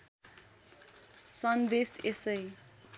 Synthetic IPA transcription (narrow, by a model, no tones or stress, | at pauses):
sʌnd̪esesəj